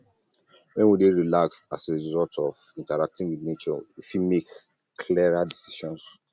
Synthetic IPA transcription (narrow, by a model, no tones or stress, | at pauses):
wɛ̃nwideɹilaksta̰seɹiɹizɔltʰɔvĩntaɹak̚tĩŋwinet͡ʃɔwifimek | kʰliɹadisi̥ʃɔ̃ns